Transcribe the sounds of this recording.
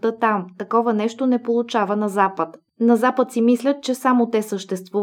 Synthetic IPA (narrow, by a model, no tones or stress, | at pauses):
t̪ət̪amt̪ɐkɔvənɛʃt̪onɛpolˠʊt͡ʃavənɐzapət̪ | nɐzapət̪simislʲət̪̚t͡ʃɛsamot̪ɛsəʃt̪ɛst̪vu